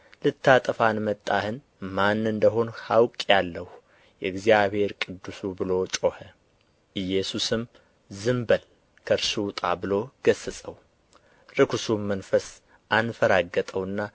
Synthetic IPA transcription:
lɨt̪ʰːat̪ʼəfanmət̪ʼːahɨn | manːɨnd̪əɦo̞nhawkʼjalːəh | jɛɡzijaβhe̞ɾkʼɨd̪ːusubɨlo̞t͡ʃʼo̞hə | ʔɨjːɛsusɨm | zɨmbəl | kʰəɾʃiwt̪ʼabɨlo̞ɡ̥əsːɨsʼəw | ɾɨkʰusumənfəs | ʔanfəɾaɡət̪ʼəwɨnːa

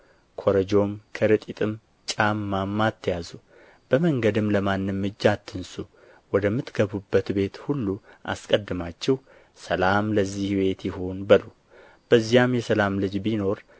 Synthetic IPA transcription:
kʰo̞ɾəd͡ʒo̞mkʰəɾɨt̪ʼit̪ʼɨm | t͡ʃʼamːamːat̪ʰːəjazu | b̥əməŋɡəd̪ɨmləmanːɨmːɨd͡ʒːat̪ʰːɨnsu | wɔd̪əmːɨt̪ɡəβubːət̪be̞t̪hulːuʔa̰skʼəd̪ːɨmat͡ʃːɛw | səlamləzːihwe̞t̪jɪho̞nbəlu | b̥əzːijamjɛsəlamlɨd͡ʒbino̞ɾ

